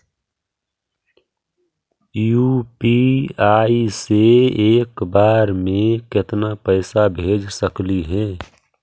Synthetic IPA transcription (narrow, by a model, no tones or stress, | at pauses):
jupiaːiseeːkbaːɾmẽkɪt̪napəɪsabʱeːd͡ʒsəkliɦɛ̃ː